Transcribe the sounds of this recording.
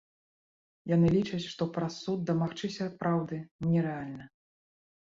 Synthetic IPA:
janɨlʲit͡ʂɐt͡sʲʂt̪ɔpɾɐsːud̪̚d̪ɐmaxt͡ʂɨsʲɐpɾawd̪ɨnʲɛɾɛalʲnɐ

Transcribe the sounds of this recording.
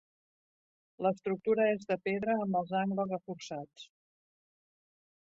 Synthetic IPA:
ləst̪ɾuk̚t̪uɾəezðəpeðɾəːmbəlˠzaŋɡləzrəfursat͡s

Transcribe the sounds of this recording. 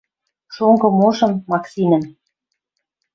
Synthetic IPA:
ʃoŋɡɤ̆moʃɤ̆mːɑksʲinɘ̆n

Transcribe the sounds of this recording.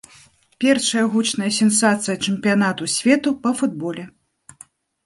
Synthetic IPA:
pʲɛrʂɐjɐɣut͡ʂnɐjɐsʲɛn̪sat̪sɨjɐt͡ʂɨmpʲijanat̪usʲvʲɛt̪upɐfud̪̚bɔlʲɛ

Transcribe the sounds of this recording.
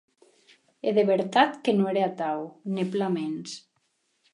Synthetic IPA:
eðeβeɾt̪at̪kenoeɾeat̪awneplamens

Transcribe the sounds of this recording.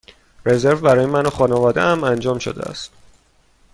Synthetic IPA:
re̞ze̞ɾvbæɾɒːjemænoxɒːnevɒːd̪eæmænd͡ʒɒːmʃo̰d̪ḛæ̰st̪

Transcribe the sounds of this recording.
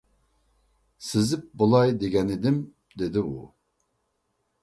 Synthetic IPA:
sɪzɪp̚bulˠɑjd̪eɡʲɛnɪd̪ɪm | d̪ed̪ɪu

